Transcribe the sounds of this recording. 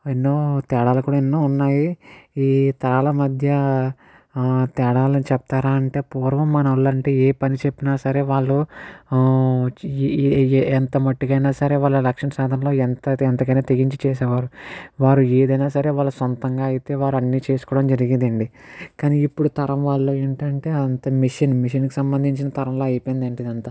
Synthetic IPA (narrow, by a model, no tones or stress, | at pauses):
enːoːt̪ɛːɽaːlɐkuːɽaːenːoːunːaːjiiːt̪ɐɾaːlɐmɐd̪ʱjɐ | t̪ɛːɽaːlɐnit͡ʃɛp̚t̪aːɾaːɐɳʈe̞ːpuːɾʋɐmːɐnɐɐlːɐɳʈeːeːpɐnit͡ʃepːinaːsɐɾe̞ːʋaːɭːu | ɛnt̪ɐmɐʈːikɐjnaːsɐɾe̞ːʋaːɭːɐlɐkʂɐnsaːd̪ʱɐnlo̞ːɛnt̪ɐɛnt̪ɐkɐjneːt̪eɡiɲt͡ʃit͡ʃɛːs̬ɛːʋaːɾuʋaːɾueːd̪ɐjnaːsɐɾe̞ːʋaːɭːusont̪ɐŋɡaːɐjit̪e̞ːʋaːɾɐnːiːt͡ʃeːsu̥kɔːɽɐmd͡ʒɐɾiɡind̪ɐɳɖikaːniːpːuɽut̪ɐɾɐmʋaːɭːoːeːɳʈɐɳʈe̞ːɐnt̪ɐmiʂɐnmiʃ̬ɐnkisɐmbɐnd̪ʱiɲt͡ʃinɐt̪ɐɾɐmlo̞ːɐjpojind̪ɐɳʈid̪ɐnt̪aː